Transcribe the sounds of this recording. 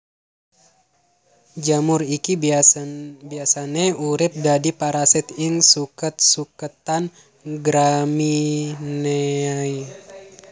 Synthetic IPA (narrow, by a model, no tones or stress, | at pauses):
d͡ʒamuriki | biasaneuɾɪp̚dadipaɾasɛt̪iŋsukət̪̚sukət̪an | ɡɾamineai